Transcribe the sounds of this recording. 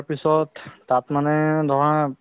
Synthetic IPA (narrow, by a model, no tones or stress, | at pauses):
pisɔd̪t̪at̪maned̪ʱɔɦã